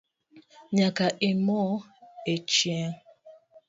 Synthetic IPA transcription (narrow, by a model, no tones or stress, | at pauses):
ɲakaʔɪmɔet͡ʃia